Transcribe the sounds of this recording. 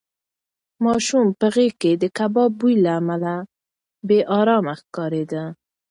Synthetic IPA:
mɔːʃumpəɣeked̪əkabɔːbujlamala | beʔɑːɾɑːmaxkɑːɾed̪a

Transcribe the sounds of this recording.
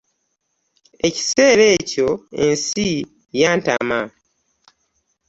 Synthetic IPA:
e̞ci̥se̞ːɾe̞ːco̞e̞nsi | jaːnta̰ma

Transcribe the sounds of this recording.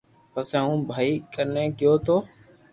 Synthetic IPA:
pəsẽũːbʱaːiːkəɾnẽːkɪjoːt̪ʰoː

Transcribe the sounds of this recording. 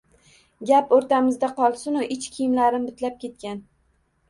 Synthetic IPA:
ɡʲapoɾt̪amɪzd̪aqʰɒlˠsʊnʊʔɪt͡ʃkʲʰijɪmlaɾɪmbɪt̪ʰlap̚kʲe̞t̪̚kʲan

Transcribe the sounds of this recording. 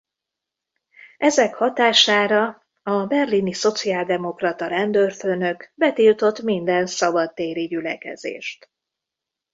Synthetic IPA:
ʔɛzɛkhɒt̪aːʃaːɾɒ | ɒbɛrliniso̞t̪siaːld̪ɛmo̞krɒt̪ɒɾɛnd̪ørføːnø̞kbɛt̪ilt̪o̞t̪mind̪ɛnsɒbɒt̪ːeːɾiɟylɛkɛ̰zḛːʃt̪

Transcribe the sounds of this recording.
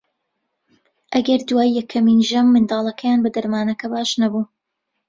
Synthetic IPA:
ʔɐɡɐɾd̪waːjːɛkʰːɐmiːnʒɐmːɨnd̪ɑːlˠɐkʰɐjaːnbɐd̪ɐɾmaːnɐkɐbaːʃnɐbuː

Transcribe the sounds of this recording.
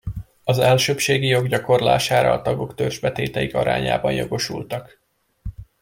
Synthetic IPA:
ɒzɛlʃøpʃeːɡijo̞ɡɟɒko̞rla̰ːʃaːɾɒːt̪ɒɡo̞kt̪ørʒbɛt̪eːt̪ɛikɒɾa̰ːɲa̰ːbɒnjoɡo̞ʃult̪ɒk

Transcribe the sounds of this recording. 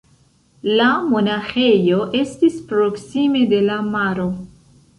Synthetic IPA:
lamo̞naxe̞jo̞ʔe̞stispɾo̞ksime̞de̞lamaɾo̞

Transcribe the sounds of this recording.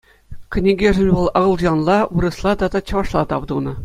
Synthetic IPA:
kʲɘ̆nʲiɡʲeʐɘ̆nʲʋɤ̆lˠɤ̆ʁɤ̆lˠʑɑnlˠɑʋuɾɤ̆slˠɑd̪ɑd̪ɑt͡ɕɤ̆ʋɑʂlˠɑt̪ɑʋd̪unɤ̆

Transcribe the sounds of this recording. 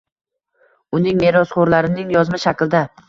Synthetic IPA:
ʊnɪŋme̞ɾɒsχoɾlaɾɪnɪŋjɒzmaʃakʲld̪a

